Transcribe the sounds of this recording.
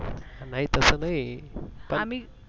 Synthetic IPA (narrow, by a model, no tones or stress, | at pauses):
anaɦit̪əsəːnaɦipəmi